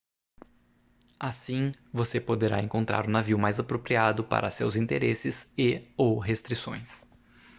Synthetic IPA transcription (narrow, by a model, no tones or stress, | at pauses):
asĩvosepod̪eɾa̰ẽŋkõnt̪ɾa̰ɾũnaviʊmajzapɾopɾiad̪ʊpa̰ɾʔɐsewzĩnt̪eɾesɪseowɦest̪ɾisõ̰j̃s